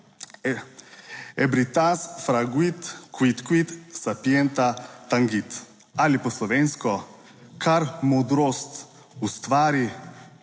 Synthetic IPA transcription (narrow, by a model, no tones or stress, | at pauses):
ɛbɾit̪ansfɾaɡwit̪kwit̪kwit̪sapjɛnt̪at̪aŋɡit̪ | alipɔslɔʋenskɔ | kʰaɾmod̪ɾɔst̪ | ust̪ʋaːɾi